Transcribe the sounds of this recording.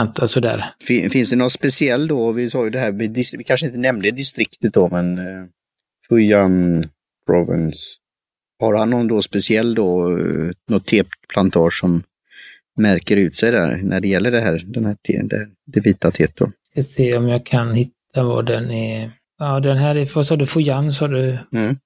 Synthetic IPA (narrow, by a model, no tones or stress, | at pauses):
nt̪asɔd̪æ̰ːɾfɪfɪnsd̪ɛnɔt̪spɛsɪɛlːd̪ɔvɪsɑːjɵd̪ɛɦæːɾmɛd̪ɪsvɪkʰanʂəɪnt̪ənɛmnd̪əd̪ɪst̪ɾɪkt̪ət̪̚d̪ɔmɛn | fɵjan | pʰɾɔvɪ̰ns | haɾhanːɔnd̪ɔspɛsɪɛlːd̪ɔ | nɔt̪ʰːeːppʰlant̪ʰɑːʂːɔmː | æɾkəɾʉ̟ːt̪sɛjd̪æ̰ɾnʔæɖɛjɛlːəɖɛɦæːɾd̪ɛnhæːʈʰḛd̪ɛ̰hæːɾd̪ɛviːt̪at̪ʰeːt̪̚d̪ɔ̰ | kaseːɔmjɑːɡkʰanhɪt̪ːava̰ɖɛnɛ | ɑːd̪ɛnɦæɾɛvasɑːd̪ɵfʊjamsɑːd̪ɵm̩